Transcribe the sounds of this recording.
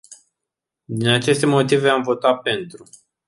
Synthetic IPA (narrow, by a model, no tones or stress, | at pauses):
d̪inat͡ʃe̞st̪e̞mo̞t̪ive̞amvo̞t̪ape̞nt̪ɾu